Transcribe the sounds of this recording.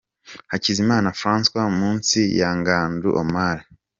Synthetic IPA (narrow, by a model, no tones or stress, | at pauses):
hacizimaːnafɾãːnskwamuːnsijaŋɡaːndṵʔo̰maːɾi